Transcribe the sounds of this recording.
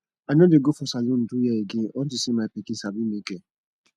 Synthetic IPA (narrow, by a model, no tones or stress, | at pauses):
anodeɡofʊsalun̩dujɛeɡiɔtisimapikisabimike